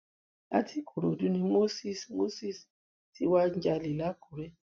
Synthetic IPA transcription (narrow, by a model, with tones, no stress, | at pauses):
a̰˦tʰi˦kʰu˨ɾo˨du˦nĩ˧mo˦si˦˨smo˦si˦˨s | tʰi˧˦wa˦ɲ˦d͡ʒa˧li˨la˦ku˨ɾe˦